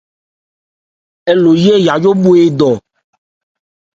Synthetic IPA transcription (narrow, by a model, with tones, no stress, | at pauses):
e˨lo˨je˦ja˨jo˦bo˦e˨d̪ɔ˨